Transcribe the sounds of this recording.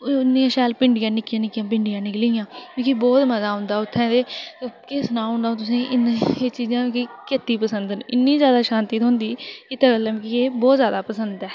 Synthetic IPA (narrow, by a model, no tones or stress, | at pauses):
nːiãːʃaːlpɪɳɖɪjãːnɪkɪjãːnɪkɪjãːp̬ɪɳɖɪjãːnɪkliːjãːkũːkibɔːt̪məzaːɦʊ̃nd̪aːʊt̪ʰːɛ̃ːd̪eːt̪ːkɪsnaːɦʊ̃nd̪ãːt̪ʊs̬ẽːʔɪneeːt͡ʃiːzãːkikɪt̪ːiːpəsənd̪nɪnːĩːzjaːd̪aːʃãːnt̪iːt̪ɦʊ̃nd̪iːɪt̪əɡələ̃mːkieːbɔːt̪zjaːd̪aːpəsənd̪ɛː